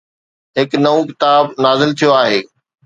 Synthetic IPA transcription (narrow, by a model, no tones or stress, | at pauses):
ɦɪknɐʋõkɪt̪aːbnaːzɪlt̪ʰijoaːɦeː